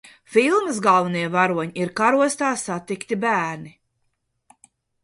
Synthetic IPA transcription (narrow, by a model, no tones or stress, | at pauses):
filˠməsɡalˠvɐniɛvaɾuɔɲiiɾkaɾuɔst̪aːsat̪ikt̪ibæːɾni